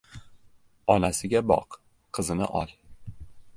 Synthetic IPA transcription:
ɒnasɪɡʲabɒ̰q | qʰːɨzɪnɪ̰ʔɒ̰lˠ

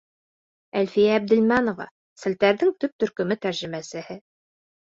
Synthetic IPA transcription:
ælfijæːb̚d̪ɘ̆lmænovɑ̰ | sɘ̆lt̪æɾðɘŋt̪ɵp̚t̪ɵ̆ɾkɵ̆mɘt̪æɾʒɘ̆mæsɘ̆hɘ

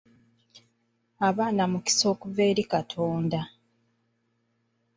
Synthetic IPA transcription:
aβaːnamuki̥so̞ːkuve̞ːɾikatʰo̞ːnda

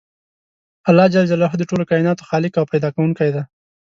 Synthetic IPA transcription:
alːɑd͡ʒald͡ʒalɑɦəd̪əʈolokɑjinɑt̪o̥xɑlɪkawpajd̪ɑkawuŋkajd̪a

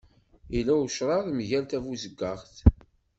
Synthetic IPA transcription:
ilæwʃɾˤɑɾˤmʝælt̪ævuzəɡːɑʁθ

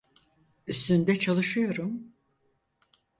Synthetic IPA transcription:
yst̪ynd̪ɛt͡ʃʰalˠɯʃɯjo̞ɾum

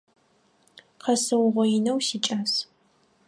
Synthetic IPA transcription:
qʰɐsɨwʁʷɔjɪnɐwsiːt͡ʃʼas

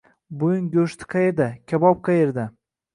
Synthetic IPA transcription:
bʊjʊnɡʲoʃt̪ʰɪ̥qʰɑjeɾd̪akʲʰabɒp̚qʰɑjeɾd̪a

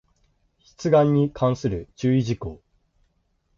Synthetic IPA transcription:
çi̥t͡sɨɡãɲ̟ːikʰãɰ̃sɨɾɯt͡ɕɨːiʑikoː

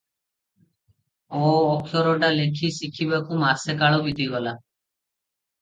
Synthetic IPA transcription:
ɔːɔkʰjɔɾɔɖalekʰiːsikʰibakumaːsɛkaɭobid̪ʱiɡɔla

